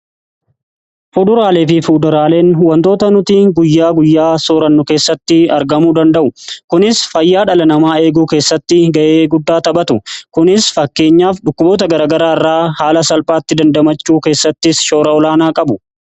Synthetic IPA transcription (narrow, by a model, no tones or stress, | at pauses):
fud̪ʊɾaːleːfɪfuːd̪ʊɾaːle̞ːnwɐnt̪o̞ːt̪ɐnʊt̪iːɡʊjːaːɡʊjːaːsoːɾɐnːʊke̞ːsːɐt̪ːɪɐɾɡɐmuːd̪ɐnd̪ɐʔʊkʊnɪsfɐjːaːᶑɐlɐnɐmaːe̞ːɡuːke̞ːsːɐt̪ːɪɡɐʔeːɡʊd̪ːaːt̪ɐbɐt̪ʊkʊnɪsfɐkːe̞ːɲːaːfᶑʊkːʊbo̞ːt̪ɐɡɐɾaːɡɐɾaːɪrːaːhaːlɐsɐlpʼaːt̪ːɪd̪ɐnd̪ɐmɐt͡ʃːuːke̞ːsːɐt̪ːɪsʃo̞ːɾɐɔlaːnaːkʼɐbʊ